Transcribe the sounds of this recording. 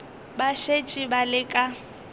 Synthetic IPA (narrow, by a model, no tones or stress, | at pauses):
baʃet͡ʃʼibalɪkʼa